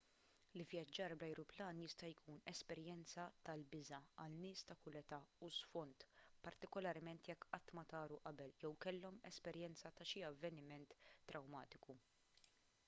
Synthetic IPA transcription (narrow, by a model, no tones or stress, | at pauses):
lɪvjɐd͡ʒːɐːɾblɐjɾʊplɐːnjɪst̪ɐjkʰuːnɛspɛɾjɛnt͡sɐt̪ɐlbɪzɐɐlnɪːst̪ɐkʊlɛt̪ɐusfɔnt̪pɐɾt̪ɪkɔlɐɾmɛnt̪jɛkːɐt̪ːmɐt̪ɐːɾuʔɐbɛljɛwkɛlːɔmɛspɛɾjɛnt͡sɐt̪ɐʃiɐvːɛnɪmɛnt̪ːɾɐwmɐːt̪ɪku